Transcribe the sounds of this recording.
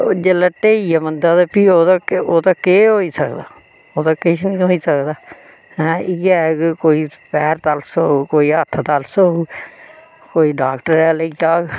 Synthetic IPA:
d͡ʒelːəʈːeːiːaːmənd̪aːd̪apiːoːt̪aoːt̪aːkeːɦoːiːsəkd̪aː | oːt̪aːkɪt͡ʃʰnĩːɦoːiːsəkd̪aː | ɛ̃ɪɡɛːɡkoːiːpɛːɾt̪alsoːkoːiːət̪ʰːt̪alsoː | koːiːɖaːkʈəɾɛːləiːd͡ʒaːɡ

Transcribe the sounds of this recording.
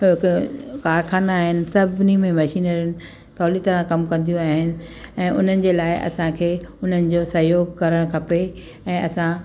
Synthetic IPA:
ɪkkaːɾxaːnaːɦɪnɪ̆sɐbʱnimẽmɐʃiːnəɾənɪ̆ | t̪ɔːlit̪ɐɾãkɐmkɐ̃nd̪ijũaːɦɪnɪ̆ɛ̃ːʔʊ̰n̤ənɪ̆d͡ʑeːlaːɪʔɐ̰sãkʰeːʊn̤ənɪ̆d͡ʑoːsɐɦjoːɡkɐɾəɽ̃kʰɐpe | ɛ̃ːʔɐsã

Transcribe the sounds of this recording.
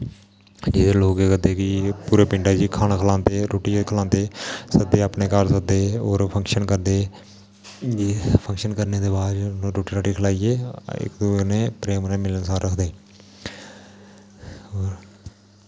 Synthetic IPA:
d͡ʒɪd̪eloːkeːkəd̪eːkipuːɾeːpɪɳɖaːd͡ʒiːkʰaːnaːkʰəlãːnt̪eːɾoːʈikʰəlãːnt̪eːsəd̪eːaːpneːkəɾsək̚d̪eːoːɾpʰəŋkʃənkəɾd̪eː | d͡ʒeːpʰəŋkʃənkəɾneːd̪eːbaːd͡ʒnõːɾoːʈiːɾaːʈiːkʰəlaːieːɪ̰kd̪uːneːpɾeːmneːmɪlənsaːɾɾəkʰd̪eː | oːɾ

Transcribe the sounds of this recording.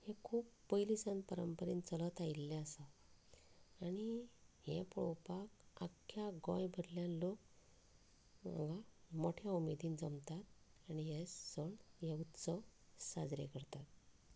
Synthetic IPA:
hekʰuːpːəjlisãnpəɾəmpəɾḭnt͡sələt̪ailːɛ̃əsa | aɽihɛ̃pɭɔ̰wpaka̰kʰːjaɡɔ̰̃jbʱəɾljãnlok̚ | ã̰ŋɡamoʈʰjaumed̪iːnd͡zəmt̪at̪̚aniɦesd͡zəɳjeut̪səsad͡zɾḛkəɾt̪at̪̚

